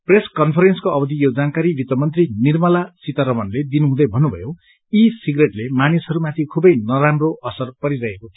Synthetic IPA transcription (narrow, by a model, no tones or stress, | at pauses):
preskʌnpʰʌɾenskoʔʌbʌd̪ʱijod͡zankaɾibʱit̪ʌmʌnt̪rinirmʌlasit̪aɾʌmʌnled̪inuɦũd̪ʌjbʱʌnːubʱʌ̰jo | isiɡreʈlemanisʌɾumat̪ʰikʰubʌjnʌɾamroʔʌsʌrpʌɾiɾʌɦekot̪ʰi